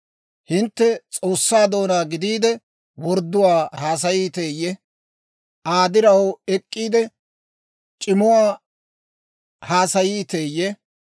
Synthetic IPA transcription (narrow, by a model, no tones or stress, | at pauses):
hɪnt̪ːɛt͡sʼo̞ːsːaːd̪o̞ːnaːɡɪd̪iːd̪ɛ | wɔɾd̪ːʊwaːhaːs̬ɐjiːt̪eːjːɛ | ʔaːd̪ɪɾɐwɛkʼːiːd̪ɛ | t͡ʃʼɪmʊwaː | haːsɐjiːt̪eːjːɛ